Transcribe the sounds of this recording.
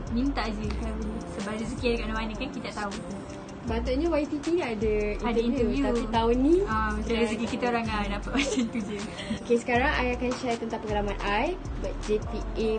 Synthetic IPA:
mint̪aʔd͡ʒikaɾisəbaʔrizəkiadəkaʔnaanəkankit̪aʔt̪aut̪u | bat̪oʔɲawajt̪ipinaadəad̪ainuvjut̪apit̪aʊnːĩasaɾizəkikit̪aoɾaŋanapaʔmat͡ʃãint̪uvju | okesə̥kaɾaŋajakanʃajt̪ənt̪ãpəɡlamanajbat̪̚d͡ʒepie

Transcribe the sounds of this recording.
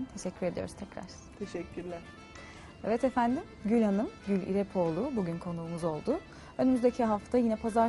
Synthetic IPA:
nt̪ʰe̞ʃɛcʰːyɾe̞d̪ijo̞̰ɾuzt̪ʰɛcɾa̰ɾ̥ | t̪ʰeʃɛcʰːyɾlʲæɾ̥ | evɛt̪efænd̪imɟylʲɦanɯmɟylʲḭɾɛpʰo̞lˠʊbuɟynkʰo̞nuːmuzo̞lˠd̪ʊ | ø̞nymyzd̪e̞cʰiɦaft̪ʰajinɛpʰaza

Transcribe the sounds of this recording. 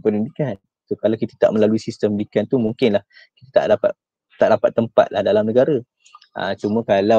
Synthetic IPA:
pənindikan | sokalawkit̪ə̥t̪a̰ʔmə̃laluisist̪əmndikant̪umũŋkɪnlah | kit̪at̪a̰ʔdapa̰t̪̚ | t̪ːaʔdapat̪ːəmpa̰t̪̚lahdalamnəɡaɾa | ə̰t͡ʃumə̃kala

